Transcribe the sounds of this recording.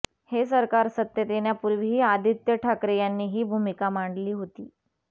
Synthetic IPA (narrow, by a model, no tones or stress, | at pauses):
hesəɾkaɾsət̪jət̪enjapuɾʋiiːad̪ʱit̪jəʈʰakɾejanːiːɦiːbʱumikamaɳɖliːɦot̪iː